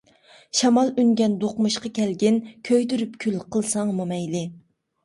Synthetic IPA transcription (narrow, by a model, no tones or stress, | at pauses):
ʃɑmɑlˠyŋɡʲɛnd̪oqmuʃqɑkʲɛlɡʲɪnkʲʰøjd̪yɾypkʲʰylqʰəlˠsɑŋmumɛjlɪ